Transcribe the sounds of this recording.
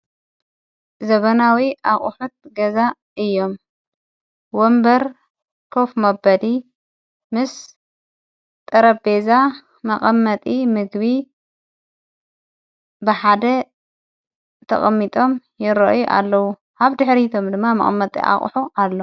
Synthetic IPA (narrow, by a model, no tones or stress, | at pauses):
zɐβɐnawiʔaχʼħut̪̚ɡɐza | ɨjːo̞m | wombɐɾ | kʰofmɐbɐd̪i | mɨs | t̪ʼɐɾɐbeza | mɐχʼɐmːɐt̪ʼimɨɡbi | bɨħad̪ɐ | t̪ʰɐ̰χʼɐmːit̪ʼo̞mjɪɾɐ̰ʔjuʔa̰lːɐwu | ʔaβd̪ɨħɾit̪ʰo̞md̪ɨmːamɐ̰χʼɐ̰mːɐt̪ʼḭʔa̰χʼħuʔalːo